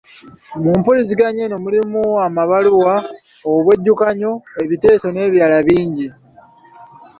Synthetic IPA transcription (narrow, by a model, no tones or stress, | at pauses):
omuːmpulis̬iɡaɲe̞no̞mulimuamaβaluwa | oβwe̞ɟːukaɲo̞e̞βite̞ːso̞ne̞ːβiɾalaβiːɲɟi